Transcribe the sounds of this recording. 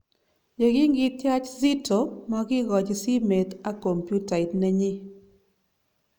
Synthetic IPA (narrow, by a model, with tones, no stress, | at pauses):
d͡ʒe˨ɡɪ˦ŋɡɪtja˦t͡ʃzi˦to˨ma˨ɡɪ˦ɡɔ˨d͡ʒsi˦me˨t̪a˦ko˨mpju˦ta˨ɪ˨tnɛ˦ɲɪ˦